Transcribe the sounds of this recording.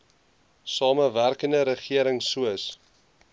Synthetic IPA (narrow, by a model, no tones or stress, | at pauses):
sɑːməværkəndəɾəχiəɾəŋsuəs